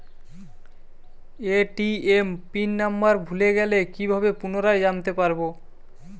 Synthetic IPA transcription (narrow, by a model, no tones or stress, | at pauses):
eʈiempinːambaɾbʱuleɡɛlekibʱabepunoɾaed͡ʑant̪epaɾbo